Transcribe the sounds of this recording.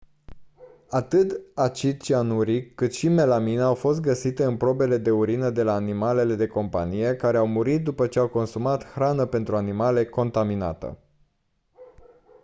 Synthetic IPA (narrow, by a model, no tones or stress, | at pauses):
at̪ɨt̪at͡ʃit͡ʃianuɾikːɨt̪ʃime̞lamineawfo̞st̪̚ɡəsit̪e̞ɨnpɾo̞be̞le̞d̪e̞uɾinəd̪e̞laːnimale̞le̞d̪e̞ko̞mpa̰nije̞kaɾe̞awmuɾit̪̚d̪upət͡ʃe̞awko̞nsumat̪xɾanəpe̞nt̪ɾuanimale̞ko̞nt̪amina̰t̪ə̰